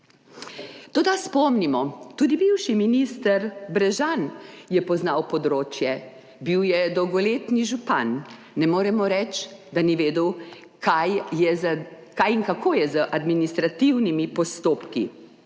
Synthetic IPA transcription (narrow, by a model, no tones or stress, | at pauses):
t̪oːd̪aspɔmnimɔt̪uːd̪ibiwʃiminist̪əɾbɾɛʒanjɛpɔznawpɔd̪ɾoːt͡ʃjɛ | biwjɛd̪ɔwɡɔleːt̪niʒupa̰nː | ɛmoːɾɛmɔɾɛt͡ʃd̪aniʋeːd̪əw | kajɛ | kajiŋkakoːjɛzəʔad̪minist̪ɾat̪iwnimipɔst̪oːpkḭ